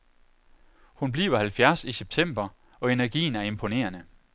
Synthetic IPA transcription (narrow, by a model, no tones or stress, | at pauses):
hunb̥lḭːʊɐhælfjæɐsiseb̥̚t͡sʰem̰b̥ɐ | ɒ̽e̝næɐɡ̥ḭːn̩æɐe̝mpʰo̝ne̝̰ːɐnə